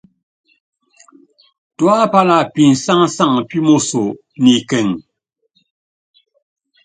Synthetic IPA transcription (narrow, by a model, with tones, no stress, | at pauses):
twa˦pa˦la˨pi˨n̩˨sa˦ŋ˦sa˦˨ŋ˨pi˦mo˦˨so˨ | ni˨kɛ˨ŋ